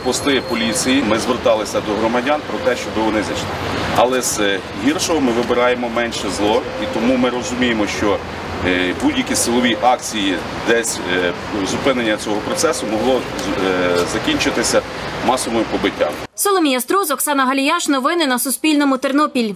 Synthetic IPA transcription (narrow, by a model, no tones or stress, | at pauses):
pɔst̪ɪjɛpɔlʲit͡sʲijimɪzʋert̪ɑlˠɪsʲɐd̪ɔɦɾɔmɐdʲɑnpɾɔt̪ɛʃt͡ʃɔbɪʋɔnɪzɪt͡ʃnɛɐ̰lˠɛz | ɦʲirʃɔɦɔmɪʋɪbɪɾɑjemɔmɛnʃɛzlˠɔ | it̪ɔmumɪɾɔzʊmʲijemɔʃt͡ʃɔ | budʲjɐkʲisɪlˠɔʋʲiʔɑk̚t͡sʲiji | d̪ɛsʲ | zʊpɪnenʲːɐt͡sʲɔɦɔpɾɔt̪sɛsʊmɔɦlˠɔ | zɐkʲinʲt͡ʃɪt̪ɪsʲɐ | mɑsɔʋɔjʊpɔbɪtʲːa̰m | sɔlˠɔmʲijɐst̪ɾuzɔksɑnɐɦɐlʲijɑʃnɔʋɪnɪnɐsʊspʲilʲnɔmʊt̪ernɔpʲilʲ